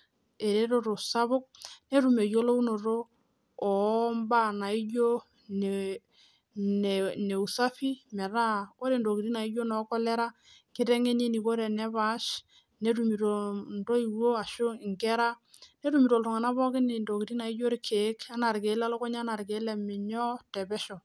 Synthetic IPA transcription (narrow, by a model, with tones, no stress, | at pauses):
e˨ɾe˦ɾo˦˨ɾo˨sa˦βʊ˦k̚ne˦ɾu˨me˨jo˦lo˦u˦no˨ɾo˦ | ɔ˨˦mba˦˨na˨i˦jo˦ | n˨ | n˨ne˨u˨sa˦fi˦mɛ˨ɾa˦ko˦ɾe˨ndo˨ki˨ɾi˦na˨i˦jo˦nɔ˨˦kɔ˦lɛ˦ɾa˦ | kɪ˦tɛ˦ŋe˦ne˦ni˨ko˦ɾe˨nɛ˦ba˨˦ʃ | ne˨˦ɾu˨mi˨ɾo˨ndo˦i˨wo˦a˨ʃʊ˦ɪ˨ŋkɛ˦ɾa˦ne˦ɾu˨mi˨ɾo˨ltɔ˨ŋa˨na˦bɔ˦kɪ˦nɪ˨ndo˨ki˨ɾi˦na˨i˦jo˦ɾɪ˦kʰe˨˦ka˦na˨ɾke˨˦la˦lɔ˦kɔ˦ɲa˦na˨ɾɡe˨˦lɛ˨mɪ˨ɲɔ˦tɛ˨bɛ˦ʃɔ˨